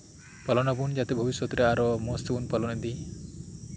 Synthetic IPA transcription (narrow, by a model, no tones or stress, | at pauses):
pɔlɔnɔbund͡ʒat̪ebʱɔbisjɔt̪ɾeaɾomost̪bunpɔlɔned̪i